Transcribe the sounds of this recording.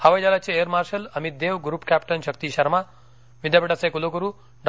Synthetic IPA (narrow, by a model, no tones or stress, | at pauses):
haʋɐjd͡ʒalat͡ʃʰieəɾmaːɾʃəlɐmit̪̚d̪eʋɡɾuːpkæpʈənʃəkt̪iʃɐɾma | ʋid̪ʱjapeʈasekulokuɾu | ɖ